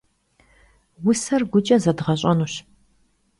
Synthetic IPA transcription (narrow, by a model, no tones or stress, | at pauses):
wʊsɐrɡʷʊt͡ʃʼɐzɐdʁɐɕʼɐnuːɕ